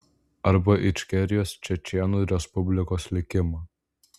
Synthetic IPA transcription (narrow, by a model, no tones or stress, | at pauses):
ɐɾbɐʔɪʃʲkʲɛɾʲɪjoːst͡ʃʲɛt͡ʃʲɛnuːɾʲɛspʊbʲlʲɪkoːslʲɪkʲɪmɐ